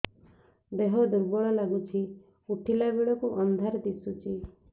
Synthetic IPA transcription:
d̪eɦɔd̪uɾbɔɭɔlaɡut͡ʃʰi | uʈʰilabeɭɔkuʔɔnd̪ʱaɾd̪isut͡ʃʰi

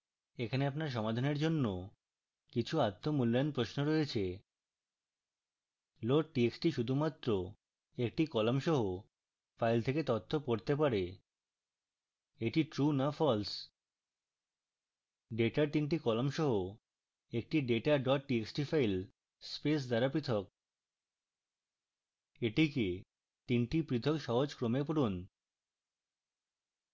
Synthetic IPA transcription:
ekʰaneapnaɾʃ̬ɔmad̪ʱaneɾd͡ʑonːo | kit͡ɕʰuat̪ːomulːanpɾoʃnoɾɔet͡ɕʰe | loʈ̚ʈieksʈiʃud̪ʱumat̪ːɾo | ek̚ʈikɔlomʃɔɦo | fajlt̪ʰeket̪ɔt̪ʰːopoɾt̪ep̬aɾe | eʈiʈɾunafɔls | ɖeʈaɾt̪inʈ̬ikɔlomʃɔɦo | ek̚ʈiɖeʈaɖɔʈʈieksʈifajl | spes̬d̪aɾapɾit̪ʰɔk̚ | eʈike | t̪inʈipɾit̪ʰokʃɔɦod͡ʑkɾomep̬oɾun

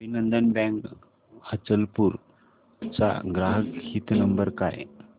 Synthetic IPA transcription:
bʱinənd̪ənbɛ̃ŋk | hət͡səlpuɾ | t͡sa̰ɡɾaɦəkhiːt̪nəmbəɾkaj

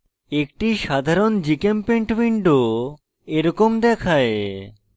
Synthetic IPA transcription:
ek̚ʈiʃad̪ʱaɾond͡ʑikempeɳʈwiɳɖo | eɾɔkomd̪ɛkʰae

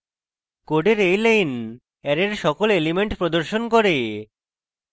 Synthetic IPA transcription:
koɖeɾejlejn | ɛɾeɾʃɔkolelimeɳʈpɾod̪oɾʃonkɔɾe

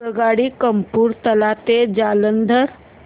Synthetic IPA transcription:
əɡaːɽikəmpuːɾt̪əlaːt̪ed͡ʒaːlənd̪ʱəɾ

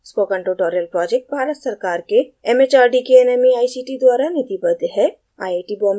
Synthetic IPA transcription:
spoːkə̃ɳʈɾoʈɔːɾəlpɾɔːd͡ʒek̚ʈ̚bʱaːɾət̪sɐɾkaːɾkeɛmet͡ʃaːɾɖikeɛnɛmiaːisiːʈid̪waːɾanɪt̪ibəd̪ɦɛ | a̰ːjaːʈibɔːm

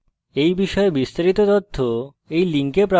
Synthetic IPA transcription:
ejbiʃɔebist̪aɾit̪ot̪ot̪ʰːo | ejliŋkepɾa

